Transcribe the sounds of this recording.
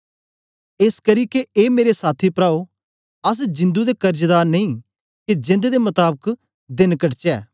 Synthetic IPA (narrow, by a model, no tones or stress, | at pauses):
eːskɐɾikeeːmeːɾesaːt̪ʰipɾaːo | ɐs̬d͡ʒɪ̃nd̪ud̪ekɐɾd͡ʒd̪aːɾnɐĩ | ked͡ʒɪ̃nd̪ed̪emɐt̪aːbək | d̪ɪnkɐʈt͡ʃɛː